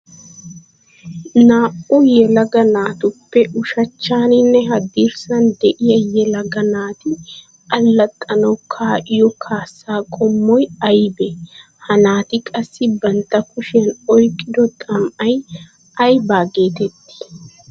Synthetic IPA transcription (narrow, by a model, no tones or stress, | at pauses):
naːʔʊjɛlɐɡɐnaːt̪ʊpːɛʔʊʃɐt͡ʃːaːnɪnːɛɦɐd̪iɾsɐnd̪ɛʔɪjɐjɛlɐɡɐnaːt̪ɪ | ɐlːɐt̪ʼːɐnɐwkʰaːʔɪjɔkʰaːsːaːkʼɔmːɔjɐjbɛ | hɐnaːt̪ɪkʼɐsːɪbɐnt̪ːɐkʊʃɛnɔjkʼːɪd̪ɔt̪ʼɐmʔɐj | ʔɐjbaːɡe̞ːt̪ɛt̪ːɪ̥